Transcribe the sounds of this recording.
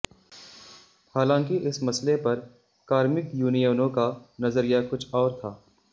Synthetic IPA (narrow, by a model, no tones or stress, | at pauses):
haːlãːŋkiʔɪsmɐslepɐɾ | kaːɾmɪkjuːnijəːnõkanɐzəɾijakʊt͡ʃʰɔːɾt̪ʰaː